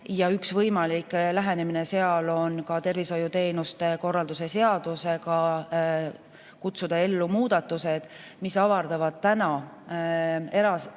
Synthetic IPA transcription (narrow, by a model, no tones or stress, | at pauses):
jɑyksvɤjmɑliklæɦenemine̞se̞ɑlo̞nkɑt̪e̞rviso̞jut̪e̞ːnust̪e̞ko̞rːɑld̪use̞se̞ɑd̪̥use̞ɡɑ | kut̪sud̪̥ɑe̞lːumuːd̪̥ɑt̪ːuse̞d̪̥ | misɑvɑrd̪̥ɑvɑd̪̥̚t̪ænɑ | e̞ɾɑs